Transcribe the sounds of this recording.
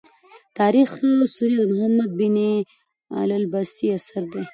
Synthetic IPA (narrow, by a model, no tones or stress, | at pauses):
t̪ɑɾixsuɾiad̪əmʊhamːad̪̚bini | a̰lalbast̪iasaɾd̪e